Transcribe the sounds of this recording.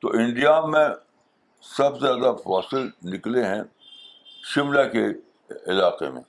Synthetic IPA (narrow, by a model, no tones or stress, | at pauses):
t̪oʔɪ̃ɳɖijamẽ | sɐbzjaːd̪afaːsɪlnɪkleɦɛ̃ | ʃɪmlake | ɪlaːqḛmḛ̃ː